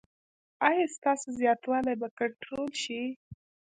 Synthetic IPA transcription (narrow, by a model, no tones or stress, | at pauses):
ɑjɑst̪ɑsozjɑt̪wɑlajbakaɳʈɾolʃi